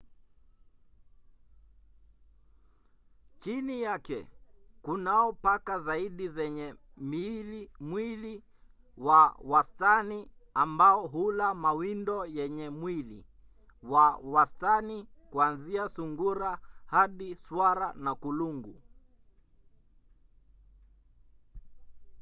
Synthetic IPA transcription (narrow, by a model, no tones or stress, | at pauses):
t͡ʃinijakɛ̰kunaɔpakazaiɗizɛɲɛ | milimwili | wawastaniambaɔɦulamawindɔjɛɲɛmwilḭ | wawastanikuanziasuŋɡuɾahaɗiswaɾanakuluŋɡu